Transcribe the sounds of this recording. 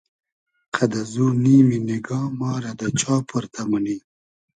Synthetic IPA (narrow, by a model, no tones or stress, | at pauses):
qʰad̪azuniːminiɡɑːmɑːɾad̪ət͡ʃɑːpʰəɾt̪ʰamani